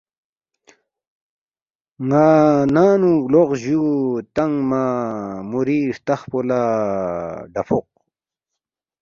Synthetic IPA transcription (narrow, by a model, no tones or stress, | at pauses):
ŋanaːnuloqʑut̪aŋmamuɾiɾt̪aχpola | ɖapoq̚